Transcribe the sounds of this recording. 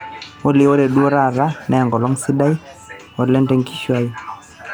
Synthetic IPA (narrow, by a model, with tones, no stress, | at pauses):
wɔ˦li˨wɔ˦ɾɛ˨ɗu˦ɔ˦ɾa˦˨ɾa˦nɛ˨ŋɡɔ˨lɔ˦ŋsi˦ɗa˦j | ɔ˨lɛ˦ntɛ˦ŋki˦ʃwa˦ji